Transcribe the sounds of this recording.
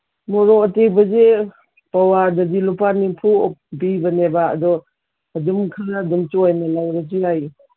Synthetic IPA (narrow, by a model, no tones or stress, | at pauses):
mɔɾɔɐtek̚bɐze | pawadadilupanipʰubibɐneba̰ːdɔː | d͡ʒumkʰaɾadumt͡ʃɔajnalawɾasiaj